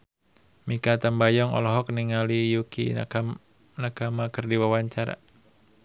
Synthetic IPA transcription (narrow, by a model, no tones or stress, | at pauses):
mikat̪ambajɔŋɔ̰lɔɦɔk̚niŋalijukḭ | nakamakɨrdiwawaɲt͡ʃaɾa̰